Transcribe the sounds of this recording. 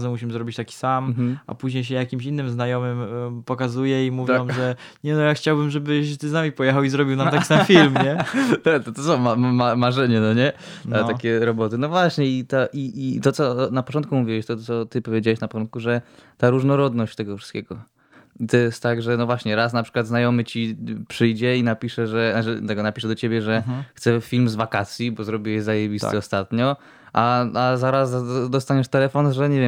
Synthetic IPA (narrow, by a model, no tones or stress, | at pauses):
zɛmuɕimzɾɔbʲit͡ɕt̪akʲi̥sammɦ̩a̰puʑɲejɕ̬ɛjakʲimɕinːɘmznajɔmɘmpɔkazujɛimuvʲjmʐɛ | ɲɛnɔjaxt͡ɕawbɘmʐɛbɘt̪ɘznamʲipɔjɛxawizɾɔbʲiwnamt̪ai̥samfʲiilmɲɛt̪at̪ɔt̪ɔsɔ̃w̃mamamaʐɛɲɛnɔɲɛ | at̪akʲɛɾɔbɔt̪ɘnɔvwaɕɲɛit̪aʔiʔit̪ɔt̪sɔnapɔ̥tt͡ʂɔnt̪̚kumuvʲiwɛɕt̪ɔsɔt̪ɘpɔvʲjed͡ʑawɛɕnapɔtɔnt̪kuʐɛt̪aɾuʐnɔɾɔd̪nɔɕt͡ɕt̪ɛɡɔfʂɨ̥st̪kʲeɡɔ | it̪ɔjɛst̪t̪ːaɡʐɛnɔvwaɕɲɛɾas̬napʂɘ̥kwad̪znajɔmɘt͡ɕipʂɘjd͡ʑɛinapʲiʂɛʐɛnat͡ʂɛ̰t̪ɛɡɔnapʲiʂɛd̪ɔt͡ɕebʲjɛʐɛxt̪sɛfʲilmzvakat̪sʲjibɔzɾɔbʲiwɛzajevʲist̪ɛɔst̪at̪ɲɔ | ʔaazaɾazad̪ɔst̪aɲɛʂt̪ɛlɛfɔnʐɛɲɛvʲjɛm